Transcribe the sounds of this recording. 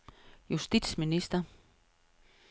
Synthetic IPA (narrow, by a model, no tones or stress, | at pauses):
jusd̥id̥sminisd̥ɐ